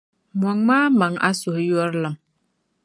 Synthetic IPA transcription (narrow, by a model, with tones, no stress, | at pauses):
m˨ɔ˨ŋmaː˦ma˨ŋa̰˦sʊ˨hjɔ˦ɾlɨ˨m